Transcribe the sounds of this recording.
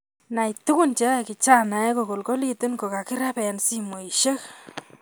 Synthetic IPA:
na˨i˨tʊ˦kʊ˦nt͡ʃe˦˨kɪ˨t͡ʃa˦na˨ɛ˦ko˨ko˨lko˦li˦tɪ˦nko˨ka˨kɪ˦ɾa˦pɛ˨nsi˦mo˨i˨ʃe˦k

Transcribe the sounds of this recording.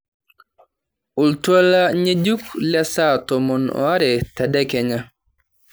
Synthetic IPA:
u˨ltwa˦laɲe˦d͡ʒu˦klja˦sa˦tɔmɔnɔ̰a˦ɾɛta˨dɛkɛ˨ɲa

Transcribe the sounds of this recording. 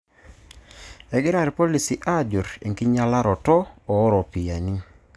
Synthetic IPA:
ɛ˨ɡɪ˦ɾa˨ɾi˨po˦li˨si˨ʔa˦˨d͡ʒʊ˨ɾḛ˨ŋki˦ɲa˦la˦ɾɔ˨tɔː˦˨˦ɾɔ˨pi˨ja˨ni˦

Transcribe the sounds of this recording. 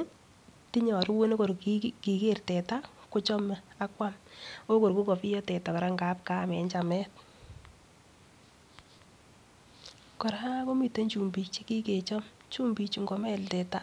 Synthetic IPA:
ti˦ɲɔ˨ɾu˦we˦ne˦ko˨ɾkiki˨ke˦rtɛ˨ta˦ko˦t͡ʃɔ˦me˨a˦kwa˦mo˦ko˨ɾku˦kɔ˨pi˦jɔ˦tɛ˨ta˨kɔ˨ɾa˦ŋɡa˦p̚ka˦˨mɛ˨ɲt͡ʃa˨mɛ˦t̚ | kɔ˨ɾaa˦ko˦mi˨te˦ɲt͡ʃu˨mbi˨t͡ʃe˦ki˦ke˨t͡ʃɔ˦m | t͡ʃu˦mbi˨t͡ʃu˨ŋɡo˨mɛ˦ltɛ˨ta˦

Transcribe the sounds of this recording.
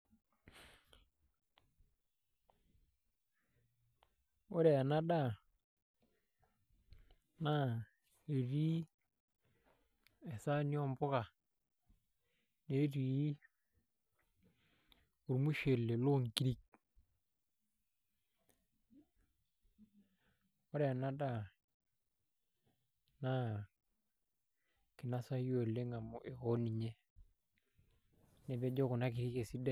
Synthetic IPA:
ʊ˦ɾɛ˨na˦ɗa˦˨ | na˦˨ | e˨ɾi˦ | ɛ˨sa˦ni˦ɔ˦mpʊ˦ɣa˨ | ne˨˦ɾiː˨˦ | u˨ɾmu˦ʃe˨lːe˨lo˦˨ŋki˦ɾi˦k̚ | o˦ɾe˦a˨na˦da˦˨ | na˦ | ki˨na˦sa˦jo˨lːe˦ŋa˨mu˨ʔe˨o˦ni˨ɲe˦ | ne˨be˦d͡ʒo˦ku˨na˦k̬i˨ɾi˦ke˨si˦da˦

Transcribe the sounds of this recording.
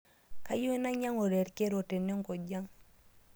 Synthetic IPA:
ka˦ju˦e˦na˦ɲa˦ŋo˨ɾe˨ɾke˦ɾo˨te˨ne˦ŋkɔ˨ɟa˦ŋ

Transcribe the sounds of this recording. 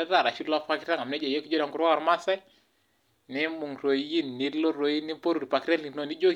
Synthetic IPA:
ɛ˦ɾa˨ɾa˨ʃu˦la˦pa˦kɪ˦ɾa˦ŋa˨m˨nɛ˦d͡ʒa˨jo˦ki˦d͡ʒo˦ɾa˨ŋɡu˦ɾa˦ɔ˨ɾma˦sɛ˦ | nɪ˦mu˨ŋɾo˨˦i˦nːi˨˦lo˦ɾo˦i˦ni˦po˦ɾu˨ɾi˨pa˨kɾa˦li˨˦no˦˨ni˦d͡ʒo˦

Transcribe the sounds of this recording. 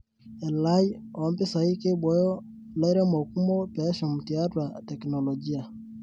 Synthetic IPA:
ɛ˨la˦i˦ | ɔ˨˦mpɛ˦sa˨i˦ke˦ɓɔ˦jɔ˦ | la˦i˦ɾɛ˦mɔ˨ku˦mɔ˦pɛ˨˦ʃɔ˨mu˨ti˨a˦twa˨tɛ˨knɔ˨lɔ˨d͡ʒi˦a˨

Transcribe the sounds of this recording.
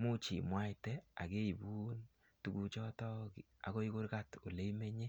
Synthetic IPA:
mu˦t͡ʃḭ˨mwa˦ɪtɛ˦a̰˨ke˦i˨bu˦n | tu˨ɡu˦t͡ʃɔ˦tɔ˦kɪ˨ | a̰˨ko˦i˦kʊ˦ɾka˦to˨le˦i˦me˦ɲe˦

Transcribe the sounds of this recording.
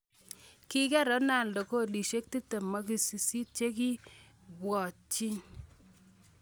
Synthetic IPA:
ki˦kɛ˦ɾɔ˨˦na˦˨nlɔ˨ko˦li˨ʃe˦k̚ti˦te˨mɔ˦ki˨si˨si˦t̚t͡ʃe˦ki˦ | bwɔ˨t͡ʃi˦n

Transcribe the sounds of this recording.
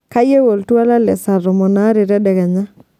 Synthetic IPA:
ka˦je˦wo˨ltwa˦la˦lɛ˨sa˨ɾɔ˨mɔ˨na˦ɾe˨ɾɛ˦dɛ˨ɣɛ˨ɲa˦

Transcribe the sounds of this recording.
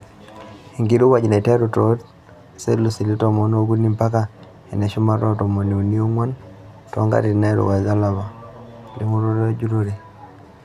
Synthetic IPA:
i˨ŋɡi˨ɾu˦wa˨d͡ʒna˨i˨tɛ˦ɾu˨to˨˦t | se˦lu˨si˨li˦tɔ˨mɔ˨˦no˦ɡu˦ni˦mpa˦ka˨ | ɛ˨nɛ˨ʃu˦ma˦ɾɔ˦tɔ˨mo˨ne˨u˨ni˦o˦ŋwa˦n | tɔ̰˦ŋɡa̰˦ɾi˨na˦ɾṵ˨wa˨za˦la˨βa˨ | li˦mu˦ɾo˦ɾɔ˦d͡ʒu˦ɾo˦ɾe˨

